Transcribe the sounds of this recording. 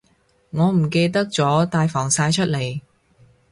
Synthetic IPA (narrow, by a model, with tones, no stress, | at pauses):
ŋɔː˨˧m̩˨˩ke˧jt̪̬ɐ˥k̚t͡sɔː˨˥t̪aː˧jfɔː˨˩ŋsaː˧jt͡ʃʰɵ˥t̚le˨˩j